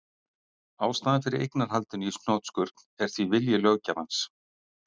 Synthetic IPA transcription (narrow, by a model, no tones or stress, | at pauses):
aːwst̪aːðafɪɾɪɾʔḛjknaɾ̥ɦalt̪ʏnisnɔːt̪skʏɾt̪n̥ɛɾ̥θvivɪljɪlœɣcamans